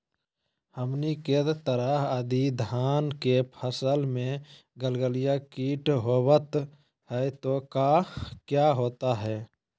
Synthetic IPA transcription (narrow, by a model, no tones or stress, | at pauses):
həmniket̪əɾəɦəd̪id̪ʱaːnkepʰəsəlmẽ | ɡəlɡəlijakiːʈɦoːbət̪ | ɦɛt̪okakjaɦoːt̪aɦɛː